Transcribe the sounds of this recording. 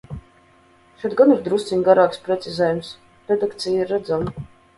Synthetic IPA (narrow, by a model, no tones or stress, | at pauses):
ʃɔd̪̚ɡaniɾd̪ɾust̪sinɡaɾaːkspɾɛt̪sizɛːjums | ɾɛd̪akt̪sijiɾːad̪zam